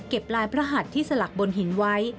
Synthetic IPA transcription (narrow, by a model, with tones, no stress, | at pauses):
ke˨˩p̚laː˧jpʰɾa˦˥ɦa˨˩t̪ʰːiː˥˩sa˧la˨˩k̚bo˧nɦi˩˦nwa˦˥j